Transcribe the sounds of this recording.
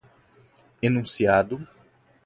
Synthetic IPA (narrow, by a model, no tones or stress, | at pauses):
enũsiad̪ʊ